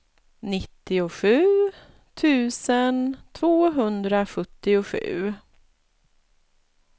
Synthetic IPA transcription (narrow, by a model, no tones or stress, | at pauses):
nɪt̪ːɪʊɧʉ̟ː | t̪ʰʉ̟ːsənt̪ʰvoːɦɵnd̪ɾaɧɵt̪ːɪʊɧʉ̟ː